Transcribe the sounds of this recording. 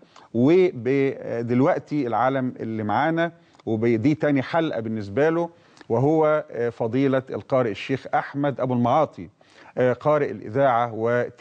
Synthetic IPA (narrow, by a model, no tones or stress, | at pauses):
webed̪elwæʔt̪ielʕaːlæmɪ̰lːimaʕaːnæ | webed̪iːt̪æːniħalʔæ̰bɪnːɪs̬bælo | wɪɦowːæfɑd̪ˤiːlɑelqɑːɾɪʔeʃːeːxʔaħmæd̪ʔæbulmɑʕɑːt̪ˤi | qɑːɾɪʔɪlʔɪ̰ðaːʕawet̪